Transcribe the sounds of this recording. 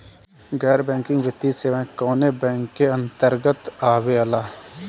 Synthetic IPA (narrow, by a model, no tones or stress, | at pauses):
ɡɛːɾbɛ̃ːŋkɪ̃ŋɡʋɪt̪iseːʋãːkɔːnebɛ̃ːŋkːeə̃nt̪əɾɡət̪aːʋeəlaː